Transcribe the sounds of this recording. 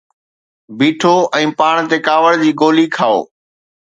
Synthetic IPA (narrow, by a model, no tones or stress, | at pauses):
biːʈʰoɛ̃ːpaːɽ̃t̪ekaːʋəɽd͡ʑiːɡoːlikʰaːo̰ː